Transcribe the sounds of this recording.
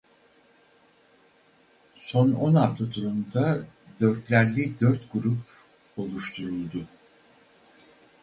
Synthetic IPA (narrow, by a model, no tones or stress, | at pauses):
so̞nonaft̪ʰat̪ʰuɾund̪ad̪ø̞ɾt̪lʲæɾlʲid̪øɾt̪ɡuɾup | o̞lˠuʃt̪ʰuɾulˠd̪ʊ